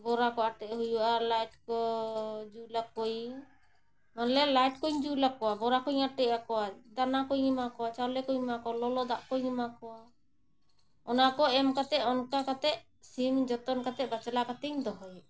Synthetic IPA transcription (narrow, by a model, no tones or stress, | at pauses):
bɔɾakɔaʈɛʔɦujuʔalajʈkɔd͡ʒulakːɔj | manlɛlajʈkɔɲd͡ʒulakːɔwabɔɾakɔɲaʈɛʔakɔwad̪anakɔjɲimakɔwat͡ʃawlɛkɔɲmakɔwalɔlɔd̪aʔkɔjɲimakɔwa | ɔnakɔɛmkat̪ɛʔɔnkakat̪ɛʔ̚ | simd͡ʒɔt̪ɔnkat̪ɛʔbat͡ʃalakat̪ɛɲd̪ɔɦɔj